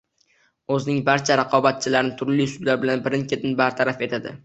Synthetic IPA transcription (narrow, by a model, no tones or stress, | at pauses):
ɵznɪŋbaɾt͡ʃʰaɾaqʰɒbat̪̚t͡ʃʰɪlaɾɪnɪt̪ʰʊɾlijsʊd̪laɾbɪlanbɪɾɪnkʲe̞t̪ʰɪnbaɾt̪ʰaɾafe̞t̪ʰad̪ɪ̰